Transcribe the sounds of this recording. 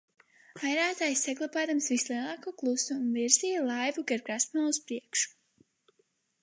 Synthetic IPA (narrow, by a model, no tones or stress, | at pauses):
vajɾaːt̪aːjsːaɡlˠapaːd̪amsvislˠiɛlˠɑːkuːklˠusuːnviɾzijalˠajvuɡaɾɡɾasmaːuspɾiɛkʃu̥